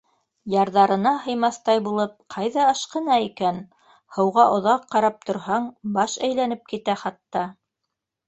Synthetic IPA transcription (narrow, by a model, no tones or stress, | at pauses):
jɑɾðɑɾɤ̆nɑɦɤ̆jmɑθt̪ɑjbulˠɤp̚qʰɑjðɑɤʃqɤ̆nɑikæn | hɤ̆wʁɑʔŏðɑqːɑɾɑp̚t̪ŏɾhɑɴbɑʃæjlænɘp̚kit̪æχɑt̪ːɑ